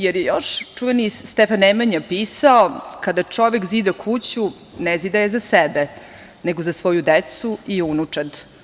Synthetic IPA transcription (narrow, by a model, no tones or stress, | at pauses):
jeɾjejoʃt͡ʂuʋeniːt̪ɛfanemaɲapiːsaokad̪at͡ʂo̞ʋɛkziːd̪akʰut͡ɕu | nɛziːd̪ajezasɛbɛ | neɡozasʋo̞jud̪et̪suiunut͡ʂad̪